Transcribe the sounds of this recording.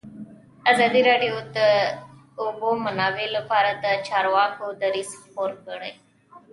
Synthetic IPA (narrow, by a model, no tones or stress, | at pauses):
azaːd̪iɾeːɖijoːt̪ə | obomənaːʋeləpaːɾat̪at͡ʃaːɾʋaːkod̪əɾispoːɾkəɽə